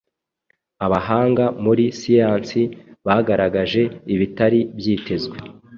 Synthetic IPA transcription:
aβaɦaːŋɡamuɾisijaːnsiβaːɡaɾaɡaʒe̞iβitaɾibjiːtʰe̞zwe

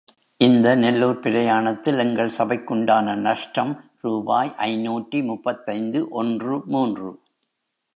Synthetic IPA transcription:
ʔɪnd̪ɐnɛlːoːɾpɪɾɐjaːɳɐt̪ːɪlɛŋɡɐɭsɐbɐɪkːʊɳɖaːnɐnɐʂʈɐm | ɾuːbaːjʔɐɪnuːʈːrimʊpːɐt̪ːɐɪnd̪ɯʔɔndrɯmuːndrɯ̰

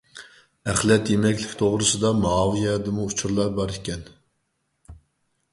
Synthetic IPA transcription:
æχlɛt̪jemɛkʲlɪkʲt̪ʰoʁɾɨsɨd̪ɑmɑɑvijɛd̪ɨmuut͡ʃʰuɾlˠɑɾbɑɾikʲɛn

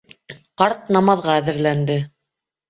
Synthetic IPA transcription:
qɑɾt̪̚nɑmɑðʁɑæðɘ̆ɾlænd̪ɘ

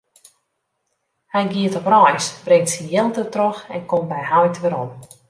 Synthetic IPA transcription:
hɛjɡiətɔprɔjsbrɪŋtsijelˠtətroxɛ̰nkɔmbɛjhajtʋɪɾɔm

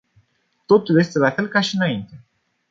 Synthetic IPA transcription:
t̪o̞t̪ulje̞st̪e̞lafe̞lkaʃiɨnaint̪e̞

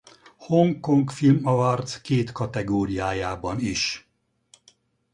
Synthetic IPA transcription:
hoŋkoŋkfilmɒvɒrt̪skeːt̪kɒt̪ɛɡoːɾijaːjaːbɒniʃ

